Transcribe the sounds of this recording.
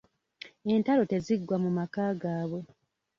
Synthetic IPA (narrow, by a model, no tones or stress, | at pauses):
e̞ntalo̞te̞ziɡwamumakaːɡaːβwe̞